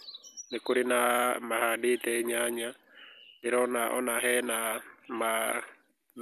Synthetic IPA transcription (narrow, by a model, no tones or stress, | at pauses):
nekoɾenamahaditɛɲaɲa | eɾɔnaʔɔ̰naɦɛnama